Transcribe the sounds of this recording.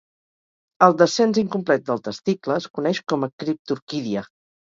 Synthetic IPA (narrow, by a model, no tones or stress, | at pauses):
əlˠd̪əsɛnziŋkumplɛt̪̚d̪əlˠt̪əst̪ikləːskunɛʃkɔməkɾip̚t̪uɾkiðiə